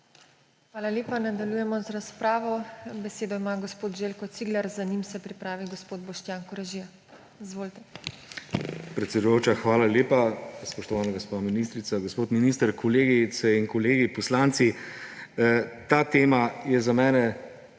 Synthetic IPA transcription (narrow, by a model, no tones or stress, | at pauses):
xʋaːlaleːpanad̪aljujɛmɔzɾaspɾaːʋɔbɛseːd̪ɔimaɡospoːt̪ʒeːlkɔt̪siːɡlaɾzanimsɛpɾipɾaːʋiɡospoːd̪̚bɔʃt̪jaːŋkɔɾaʒija | izʋoːlt̪ɛ | pɾɛt̪sɛd̪ujoːt͡ʃaxʋaːlaleːpaspɔʃt̪ɔʋaːnaɡospaminiːst̪ɾit̪saɡospoːt̪miniːst̪əɾkʰɔleːɡit̪sɛinkɔleːɡipɔslant̪si | t̪aːt̪eːmajɛzamɛːnɛ